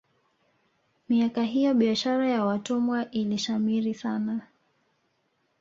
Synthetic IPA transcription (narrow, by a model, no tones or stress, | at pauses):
miakaɦijɔɓiaʃaɾajawatumwaʔiliʃamiɾisana